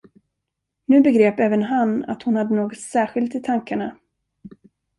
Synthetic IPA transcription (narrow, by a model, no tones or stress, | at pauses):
nʉ̟ːbɛɡɾeːpɛːvənɦanːa̰t̪hʊnhad̪ːənoːɡɔt̪sæːɾɧɪlt̪ɪt̪ʰaŋkaɳa